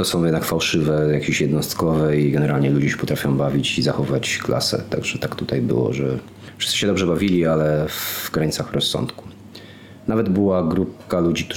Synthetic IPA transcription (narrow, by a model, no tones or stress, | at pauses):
t̪ɔsɔ̃w̃jɛd̪nakfawʂɘvɛjakʲeɕjɛd̪nɔst̪kɔvɛiɡɛnɛɾalɲɛlud͡ʑɛɕɛ̥pɔt̪ɾafʲjɔ̃w̃bavʲit͡ɕizaxɔvat͡ɕkla̰sɛ̰t̪a̰ɡʐɛt̪akt̪ut̪ajbɘ̰wɔ̰ʐɛ | fʂɨst̪ɨɕɛd̪ɔbʐɛbavʲilʲialɛvɡɾaɲit̪saxɾɔsːɔ̰̃nt̪ku̥ | navɛd̪bɘwaɡɾup̚kalud͡ʑikt̪